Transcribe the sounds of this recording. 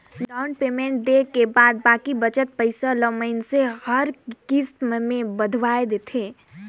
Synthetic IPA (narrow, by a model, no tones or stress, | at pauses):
ɖaʊɳɖpemeɳʈ̚d̪ekebaːd̪̚baːkibət͡ʃət̪̚pəɪsaləməɪnsehəɾkist̪mmebəd̪ʱʋaed̪et̪ʰe